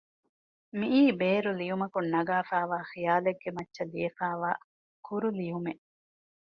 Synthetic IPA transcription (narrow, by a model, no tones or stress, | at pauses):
miʔiːbeːɾulijumɐkunːɐɡaːfaːʋaːxijaːleɡːemɐtːʃɐlijɐfaːʋaː | kʰuɾulijumeʔ